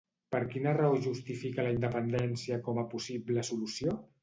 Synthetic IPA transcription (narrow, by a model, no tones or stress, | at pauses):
pəɾkinərəoʒust̪ifikələind̪əpənd̪ɛnsiəkɔməpusibləsulusio